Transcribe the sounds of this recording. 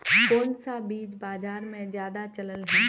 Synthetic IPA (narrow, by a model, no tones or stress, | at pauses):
koːnsabiːd͡ʒbaːzaːɾmẽzjaːd̪at͡ʃɐləlɦɛ̃ː